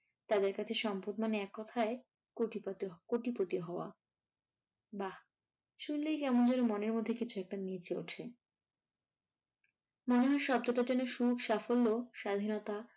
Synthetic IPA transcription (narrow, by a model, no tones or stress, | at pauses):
t̪ad̪eɾkat͡ɕʰeʃɔmpot̪maneɛkːɔt̪ʰae | koip̪koʈipɾot̪ioɦɔoa̰ | ba | ʃunlejkɛmond͡ʑonomoneɾmod̪ʱːekit͡ɕʰuɛk̚ʈanit͡ɕʰeo̰ʈʰe | moneɦɔeɾʃɔb̚d̪oʈad͡ʑɛnoʃukʃafolːoʃad̪ʱinɔt̪a